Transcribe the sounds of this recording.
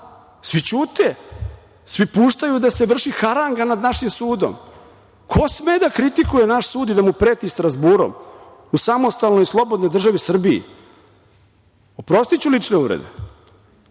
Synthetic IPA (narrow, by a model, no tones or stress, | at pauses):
sʋit͡ɕuːt̪e | sʋipuːʃt̪ajud̪ase̞ʋr̩ʃixaɾaŋɡanad̪naʃimsuːd̪o̰m | kʰo̞smed̪akɾit̪ikujenaʃsuːd̪id̪amupɾeːt̪ist̪ɾazbuːɾo̰m | usamo̞st̪alnojslˠo̞bo̞d̪nojd̪r̩ʒaʋisr̩biḭ | opɾo̞st̪it͡ɕulit͡ʂneuʋɾḛd̪ḛ